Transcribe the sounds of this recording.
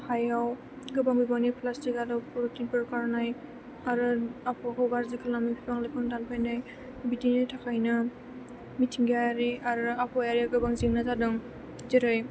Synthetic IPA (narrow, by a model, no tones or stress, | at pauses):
hajaw | ɡɯbaŋbibaŋnipʰlastikaɾɯpuɾɔtinpɯɾkaɾnaj | aɾɯapʰɔkʰɔwbaɾzikʰɯlamibibaŋlikʰɯŋdanpʰajnaj | bidinɯjtʰakʰajna | mitʰiŋɡaaɾiaɾapʰɔjaɾiawɡɯbaŋziŋnazadɯŋ | ziɾɯj